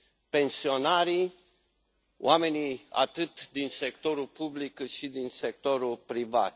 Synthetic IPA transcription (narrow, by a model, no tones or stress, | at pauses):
pe̞nsio̞naɾi | w̰ame̞nia̰t̪ɨt̪d̪inse̞kt̪o̞ɾulpublikːɨt̪ʃid̪insek̚t̪o̞ɾulpɾiva̰t̪